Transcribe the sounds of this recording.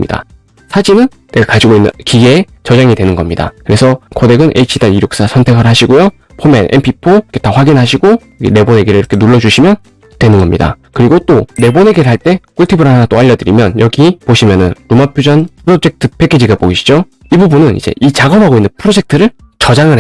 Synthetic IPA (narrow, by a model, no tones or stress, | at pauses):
ɲḭda̰ | sʰaɕinɯn | ne̞ɡakad͡ʑiɡoinːɯ̰nkiɡeː | t͡ɕʌd͡ʑaŋidwenɯnɡʌmɲida̰kɯɾe̞sʰʌkode̞ɡɯnʔḛit͡ɕʰidaniɾjok̚s͈asʰʌntʰe̞kʰɯɾɭɦaɕʰiɡojo | pʰomenʔḛmpʰipʰokʰetaɸwaɡinɦaɕʰiɡo | ɡḛne̞bone̞ɡeɾɯɭiɾʌkʰe̞nuɭːʌd͡ʑuɕʰimjʌn | twe̞nɯnɡʌmɲida̰ | kɯɾiɡot͈one̞bone̞ɡeɾɯɭhaɭt͈e̞kʰuɭtʰibɯɾaanat͈oaʎjːʌdɯɾimjʌnjʌɡipoɕʰimjʌnɯnɾomapʰjod͡ʑʌnpʰɯɾod͡ʑe̞k̚tʰɯpʰekʰid͡ʑiɡaboɡiɕʰi̥d͡ʑo | ibubunɯnḭd͡ʑe̞̰ʔit͡ɕaɡʌbʱɦaɡoinːɯnpʰɯɾod͡ʑe̞k̚tʰɯɾɯɭ | t͡ɕʌd͡ʑaŋɯɭ